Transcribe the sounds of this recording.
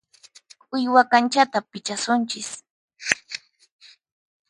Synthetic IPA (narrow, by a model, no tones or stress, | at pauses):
kʼʊjwakant͡ʃat̪apɪt͡ʃasʊnt͡ʃɪs